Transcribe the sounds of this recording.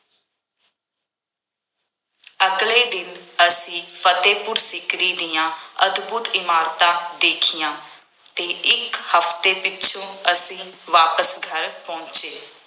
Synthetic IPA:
əkleːd̪ɪnəsĩːfʰət̪eːpʊɾsɪkɾiːd̪ijãːə̰d̪buːt̪ɪmaːɾt̪aːd̪eːkʰɪjãː | t̪eːʔɪkhəft̪eːpɪt͡ʃʰõːəsĩːʋaːpəsɡʱəɾpɔ̃ːnt͡ʃeː

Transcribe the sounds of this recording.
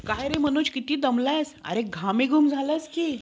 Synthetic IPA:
kajɾem̤əñũːt͡ɕkit̪iːd̪əmlajsa̰ɾeɡʱamẽɡʱumd͡zʱalajskiː

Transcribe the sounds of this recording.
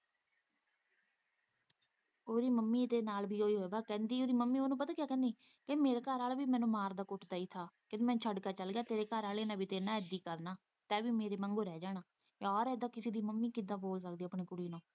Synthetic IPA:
oːɾiːməmːiːd̪eːnaːlbʱiːoːiːɦoːeːbaːkɛ̃ːnd̪iːoːɾiːməmːiːoːnũːpət̪aːkɪjaːkɛ̃ːnd̪iː | kemeːɾaːkəɾaːlbiːmɛ̃ːnũːmaːɾd̪aːkʊʈʰd̪aːiːt̪ʰaːkɪt̪eːmɛːnt͡ʃʰəɖkaːt͡ʃəlɡɪjaːt̪eːɾeːkəɾaːleːnãːbiːt̪eːnãːɛd̪iːkəɾnaː | t̪ɛ̃ːʋiːmeːɾeːmɛ̃ŋɡoːɾɛːd͡ʒaːɳaː | ɔːɾɛːd̪ãːkɪseːd̪iːməmːiːkɪd̪ãːboːlsəkd̪iːəpɳiːkʊɽiːnõː

